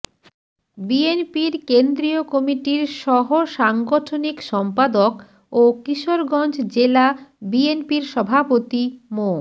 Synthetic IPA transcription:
bienpiɾkend̪ɾiokɔmiʈiɾʃɔɦoʃaŋɡoʈʰonikʃɔmpad̪ok | okiʃoɾɡɔnd͡ʑd͡ʑelabienpiɾʃɔbʱapot̪imo

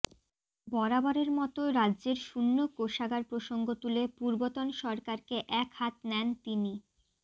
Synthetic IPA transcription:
bɔɾabɔɾeɾmɔt̪oɾadːʑeɾʃunːokoʃaɡaɾpɾoʃoŋɡot̪ulepuɾbot̪onʃɔɾkaɾkeʔɛkhat̪nɛnt̪ini

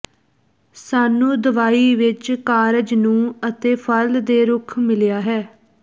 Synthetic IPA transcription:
saːnũːd̪əʋaːiːʋɪt͡ʃkaːɾəd͡ʒnũːət̪eːpʰəld̪eːɾʊkʰmɪlɪjaːɦɛː

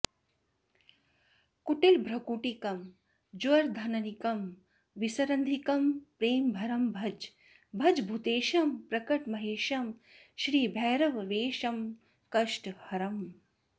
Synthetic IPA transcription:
kuʈilbʱɾɐkuːʈikɐm | d͡ʒʋɐɾd̪ʱɐnɐnikɐm | ʋisɐɾɐnd̪ʱikɐmpɾeːmbʱɐɾɐmbʱɐd͡ʒ | bʱɐd͡ʒbʱut̪eːʃɐmpɾɐkɐʈmɐɦeːʃɐmʃɾiːbʱɛːɾɐʋʋeːʃɐm | kɐʂʈhɐɾɐm

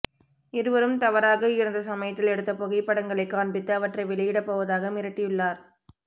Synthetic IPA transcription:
ɪɾɯʋɐɾɯmt̪ɐʋɐɾaːɣɐɪɾɯnd̪ɐs̬ɐmɐjɐt̪ːɪlɛɽɯt̪ːɐpɔɣɐɪpːɐɽɐŋɡɐɭɐɪkːaːɳbɪt̪ːɯɐʋɐʈrɐɪʋɛlɐjɪɽɐpːoːʋɐðaːɣɐmɪɾɐʈːɪjɯɭːaːɾ

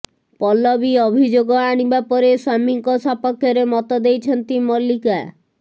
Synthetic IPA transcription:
pɔlɔbiobʱid͡ʒoɡɔanibapɔɾeswamiŋkɔsɔpɔkʰːjɔɾemɔt̪ɔd̪ejt͡ʃʰɔnt̪imɔlika

